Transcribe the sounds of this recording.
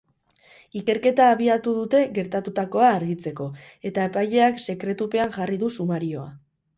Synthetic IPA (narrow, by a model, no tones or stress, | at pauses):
ike̞ɾke̞t̪aːβ̞iat̪uðut̪e̞ɣe̞ɾt̪at̪ut̪ako̞aːɾɣit͡se̞ko̞ | e̞t̪ae̞pajʎe̞akse̞kɾe̞t̪upe̞aŋʝariðusumaɾio̞a̰